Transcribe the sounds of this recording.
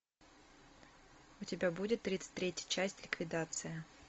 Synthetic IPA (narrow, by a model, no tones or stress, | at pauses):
ʊtʲɪbʲabudʲɪt̪ːɾʲit̪sɨ̥tʲt̪ɾʲetʲjə̥t̚ʲt͡ɕæsʲtʲlʲɪkvʲɪd̪at̪sɨjə